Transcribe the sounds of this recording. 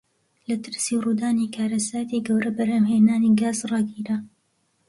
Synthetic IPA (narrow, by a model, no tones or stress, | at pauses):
lɐt̪ʰɨɾsiruːd̪aːnikʰaːɾɐsaːt̪iːɡɐwɾɐbɐɾɐmɦeːnaːniɡaːzrɑɡiːɾa